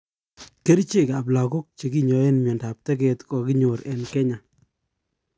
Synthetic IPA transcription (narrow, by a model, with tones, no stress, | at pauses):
ke˦ɾt͡ʃe˦˨ka˨p̬la˨kʊ˦k̚t͡ʃe˨ki˦ɲɔ˨e˦nmɔ˨nda˨p̚tɛ˦kɛ˦tkɔ˨kɪ˦ɲo˨ɾɛ˨nkɛ˦ɲa˨